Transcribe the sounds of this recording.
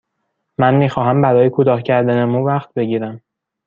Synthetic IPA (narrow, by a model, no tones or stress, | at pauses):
mænmiːxɒːɦæmbæɾɒːjekʰot̪ɒːhcʰæɾd̪ænemuːvæχt̪̚be̞ɟiːɾæm